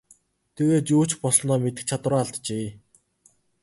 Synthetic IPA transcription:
t̪ʰeɣeːt͡ɕuːt͡ɕpɔsnɔːmet̪ɘ̆k̚t͡ɕʰat̪̆rɔːaɮt̪t͡ɕeː

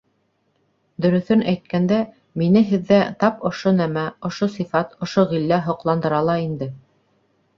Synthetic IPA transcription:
d̪ɵ̆ɾɵ̆θɵnæjt̪̚kænd̪æ | minɘɦɘ̆ðːæt̪ɑpŏʃonæmæŏʃosifɑt̪ŏʃoʁilːæɦŏqlˠɑnd̪ɤ̆ɾɑlˠɑind̪ɘ

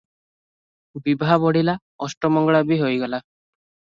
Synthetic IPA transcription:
bibʱabɔɽila | ɔsʈɔmɔŋɡɭabiɦojɡɛla

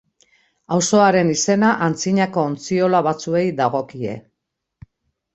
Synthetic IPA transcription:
awso̞aɾe̞nise̞naʔant͡siɲako̞ːnt͡sio̞laβat͡sue̞jd̪aɣo̞kie̞̰

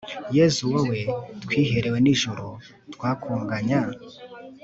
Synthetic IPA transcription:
jezuwawe̞tkwiːɦe̞ɾe̞we̞niʒuɾo | twaːkuːŋɡaɲa

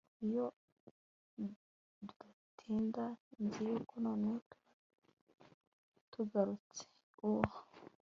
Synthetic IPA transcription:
ijo | duda | tʰiːndanziɾikʰunonekʰḁ | tuɡaɾut͡se̥ | uha

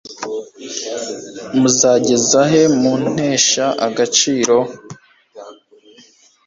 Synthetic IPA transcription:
muzaːɟe̞zaɦe̞mun̥e̞ːʃaʔaɡat͡ʃiːɾo̞

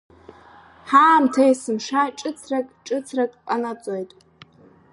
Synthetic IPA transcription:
ħaːmtʰajsɨmʂaʈ͡ʂʼɨt͡sʰrakʼʈ͡ʂʼɨt͡sʰrakʼqʼanat͡sʼojtʼ

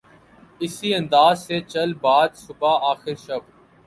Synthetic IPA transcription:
ɪsiːə̃nd̪aːzseːt͡ʃəlbaːd̪sʊbaːaːxɪɾʃəb

